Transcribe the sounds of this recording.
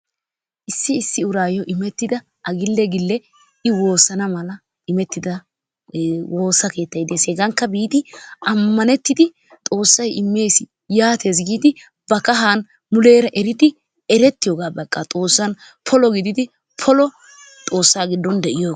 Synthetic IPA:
ʔɪsːɪːsːɪʊɾaːjɔʔɪmɛt̪ːɪd̪ɐ | ʔɐɡɪlːɛɡɪlːɛ | ɪwo̞ːsɐnɐmɐlɐ | ʔɪmɛt̪ːɪd̪ɐ | wo̞ːsɐke̞ːt̪ːɐjd̪eseːɡɐŋkːɐbiːd̪ɪɐmːɐnɛt̪ːɪd̪ɪ | t̪ʼo̞ːsːɐjɪmːe̞ːsɪ | jaːt̪eːs̬ɡiːd̪ɪ | b̥ɐkɐɦaːn | mʊle̞ːɾɐʔɛɾɪd̪ɪ | ɛɾɛt̪ːɪjoːɡaːbɐkʼːat̪ʼo̞ːsːɐn | pʰɔlɔɡɪd̪ɪd̪ɪ | pʰɔlɔ | t̪ʼo̞ːsːaːɡɪd̪ːɔnd̪ɛʔɪjoː

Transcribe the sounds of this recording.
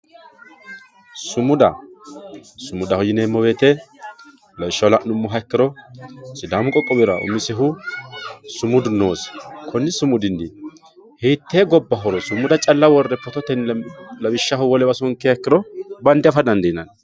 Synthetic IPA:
sʊmʊd̪ɐ̰ | sʊmʊd̪ɐhɔjɪneːmːɔbeːt̪ɛ | lɐwɪʃːɐwlɐʔnʊmːʊɦɐkːɪɾɔsɪd̪aːmʊkʼɔkʼːɔbɪɾɐʔʊ̰mːɪsɛɦʊ | sʊmʊd̪ʊnoːskʰɔnːɪsʊmʊd̪ɪnd̪ɪ | hiːt̪ːeːɡɔbːɐɦɔɾɔsʊmːʊd̪ɐt͡ʃʼɐlːɐwɔrːɛpɔt̪ɔt̪ɛnlɐbɪʃːɐhʊwɔlɛbɐsɔŋkːɛhɐkːɪɾɔbɐnd̪ɛɐfɐd̪ɐnd̪ɛjɪnɐn

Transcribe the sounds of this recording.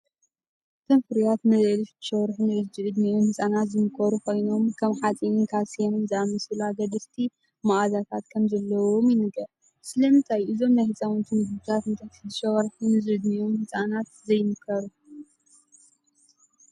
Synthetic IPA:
t̪ʰomfɨɾjat̪mɐzɐliʃd̪ɨ̥ʃɐwɾħunɨʔɨd͡ʒɨʔɨd̪nijumhɨt͡sʼanat̪zɨmɨkʰɐɾukʰo̞jno̞mkʰɐmħat͡sʼinnkʰasjenmzɨamɐsɨlaɡɐd̪ɐft̪ʰi | maʔazat̪ʰat̪kʰɐmzɐlːɐwomjɪnɨɡɐ | sɨlɐmɨnt̪ʰajʔɨzo̞mnajhɨt͡sʼawunt̪ʰunɡɨbut̪ʰat̪ɨnt̪ʰat̪ʰizɨʃɐɣɐɾħunɨzɨʔɨd̪nijomhɨt͡sʼanat̪zɐjmɨkʰɐɾu

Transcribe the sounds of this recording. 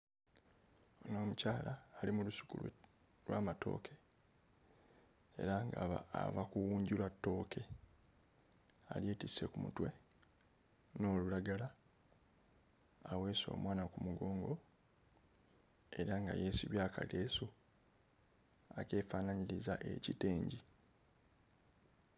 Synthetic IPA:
onoːmucaːlaːlimulusu̥kṵ | lwaːmato̞̰ːkʰe̞ | e̞̰ɾaŋɡa̰βa̰a̰vakuwuːɲɟilwatːo̞ːkʰe̞ | a̰lje̞ːtise̞kumṵtwe̞ | no̞ːlulaɡala | we̞ːso̞̰ːmwaːnakumuɡo̞ːŋɡo | e̞ɾaŋɡa̰je̞ːsiβjaːka̰le̞ːsu | ake̞ːfaːnaɲiɾizaʔe̞̰cite̞ːɲɟi

